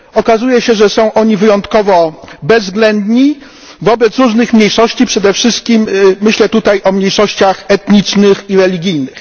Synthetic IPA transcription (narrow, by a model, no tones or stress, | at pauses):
ɔkazujɛɕɛʐɛsɔ̃w̃ʔɔɲivɘjɔnt̪kɔvɔbɛzɡlɛnd̪ɲi | vɔbɛt̪sɾuʐnɘxmɲejʂɔɕt͡ɕipʂɛd̪ɛfʂɘst̪̚kʲimːɘɕlɛt̪ut̪ajʔɔmɲejʂɔɕt͡ɕaxɛt̪ɲit͡ʂnɘxiɾɛlʲiɡʲijnɘx